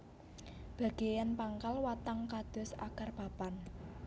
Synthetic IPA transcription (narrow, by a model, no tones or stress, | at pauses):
b̥a̤ɡ̥e̤janpaŋkalwat̪aŋkad̪̥ʊ̤sa̰karpapan